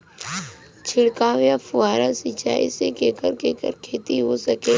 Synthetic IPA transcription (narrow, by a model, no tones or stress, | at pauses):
t͡ʃʰɪɽkaːʋjapʊaːɾasɪt͡ʃa̰ːḭsekeːkəɾkeːkə̰ɾkʰeːt̪iɦosəkeː